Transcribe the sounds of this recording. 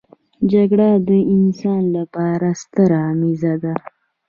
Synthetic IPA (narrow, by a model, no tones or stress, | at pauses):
d͡ʒaɡɽad̪əɪnsɑnlapɑɾast̪əɾaːmizad̪a